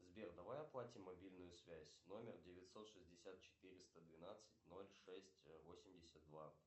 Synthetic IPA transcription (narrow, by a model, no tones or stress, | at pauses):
zbʲerd̪ɐvajɐplˠatʲɪmːɐbʲilʲnʊjʊsvʲæzʲno̞mʲɪrdʲɪvʲɪtʲso̞t̪ʂɨzʲdʲɪsʲat̪̚t͡ɕɪ̥t̪ɨɾʲɪst̪əd̪vʲɪnat̪sɨtʲno̞lʲʂɛsʲtʲvo̞sʲɪmdʲɪsʲət̪̚ːva̰